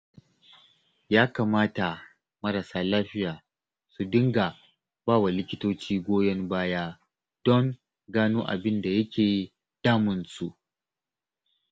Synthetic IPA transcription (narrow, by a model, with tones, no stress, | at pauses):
jaː˦kaː˨maː˦ta˨ | mɐ˦ɾɐ˨saː˨laː˦ɸɪ˦jaː˨ | su˨dɪ˦ŋɡa˨ | baː˦wa˨lɪ˦kʲɪ˦toː˦t͡ʃiː˦ɡʷoː˦jɔ˦mbaː˦jaː˦ | d̥ɔ˦ŋ | ɡaː˦nuː˦ʔa̰˨bɪ˦nda˨jɐ˦kʲʰeː˨˦ | d̥aː˦mʊ˨nsu˨ʔ